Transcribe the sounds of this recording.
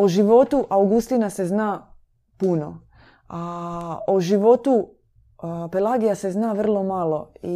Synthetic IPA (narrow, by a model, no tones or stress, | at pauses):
oʒiʋo̞t̪uʔawɡust̪inase̞znaː | puno | aoʒiʋo̞t̪u | pelaɡijase̞znaːʋr̩lˠo̞malo̞i